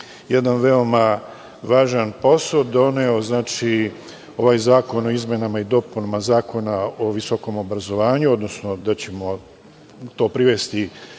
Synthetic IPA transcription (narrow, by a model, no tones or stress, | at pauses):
jed̪anʋe̞o̞ma | ʋaːʒanpo̞sod̪o̞neo̞znaːt͡ʃi | o̞ʋaːjzaːko̞no̞izmjenamaid̪o̞punamazaːko̞naoʋisoko̞mo̞bɾazo̞ʋaːɲuo̞d̪no̞sno̞d̪at͡ɕe̞mo̞ | t̪o̞ːpɾiʋe̞st̪i